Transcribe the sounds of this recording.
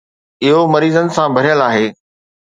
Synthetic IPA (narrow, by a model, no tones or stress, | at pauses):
ɪɦomɐɾiːzənɪ̆sãbʱɐɾijəlaːɦeː